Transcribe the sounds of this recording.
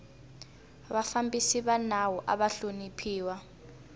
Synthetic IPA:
ɓafambisiɓanawɔʔa̰ɓaɬonipʰiːwa

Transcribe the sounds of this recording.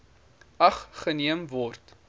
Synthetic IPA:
ɐχχəniəmvɔrt

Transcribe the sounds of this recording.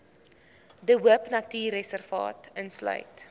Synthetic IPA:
dəwuəpnɐtiːrɛsərvɑ̰ːtənslœ̰ɥt

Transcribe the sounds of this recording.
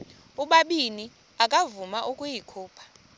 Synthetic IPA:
uɓaɓini | akʼavumaʔukʼujikʰuːpʰḁ

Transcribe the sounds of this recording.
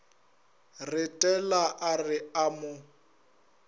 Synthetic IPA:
rɪtʼɛlaʔarɪamʊ

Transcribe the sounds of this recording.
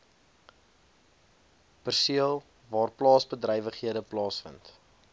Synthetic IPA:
pərsiəlˠ | vɑːrplɑːsbədrəjvəχɦiədəplɑːsfə̰nt

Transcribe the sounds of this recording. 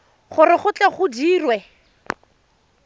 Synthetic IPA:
χʊrɪχʊt͡ɬɛχʊdiːrwɛ

